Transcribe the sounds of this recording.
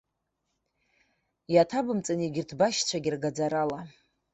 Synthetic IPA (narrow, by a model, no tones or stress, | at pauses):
jatʰabɨmt͡sʼaniɡʲɪrtʰbaʃt͡ɕʷʰaɡʲɪrɡad͡zaɾala